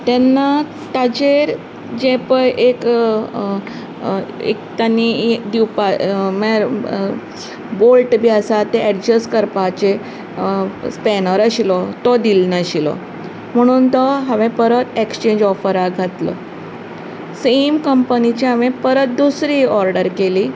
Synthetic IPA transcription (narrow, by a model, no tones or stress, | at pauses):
t̪ɛnːa | t̪ad͡ʑeɾ | d͡ʑẽpəjʔek | ḛkt̪anːid̪iwpamɛɾ | bolʈbʱiasat̪eɛʈd͡ʑəskəɾpat͡ɕe | spɛnəɾaɕilɔt̪ɔd̪ilnaɕilɔ̰ | m̤əɽ̃uːnt̪ɔɦaʋẽpəɾət̪ekst͡ɕẽɲd͡ʑɔfəɾaɡʱat̪lɔ̰ | semkəmpənit͡ɕiɦaʋẽpəɾət̪̚d̪usɾiːɔɾɖəɾkeliː